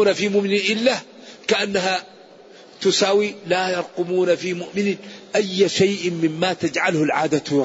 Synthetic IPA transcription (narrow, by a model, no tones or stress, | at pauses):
uːnafiːmʊʔmɪnɪnʔɪlːa | kaʔanːaɦa | t̪ʊsaːwilaːjɑɾˤqʊmuːnafiːmʊʔmɪnɪʔajːaʃajʔɪmɪmːaːt̪ad͡ʒʕalhʊlʕaːd̪a